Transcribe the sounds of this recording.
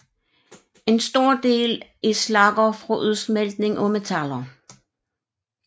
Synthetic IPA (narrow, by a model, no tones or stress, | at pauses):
e̝nsd̥o̝ɐ̰d̥e̝̰ːlislɑ̈ɡ̥ɐfʁɒʔuð̞ˠsmeld̥ne̝ŋʔɒmet͡sʰælɐ